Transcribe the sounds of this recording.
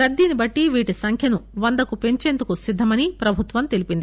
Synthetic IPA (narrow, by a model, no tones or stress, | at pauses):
ɾɐd̪ːiːnibɐʈːiʋiːʈisɐŋkʰjɐnuʋɐnd̪ɐkupe̞ɲt͡ʃe̞ːnd̪ukusid̪ʱːɐmɐnipɾɐbʱut̪ʋɐmt̪e̞lipind̪i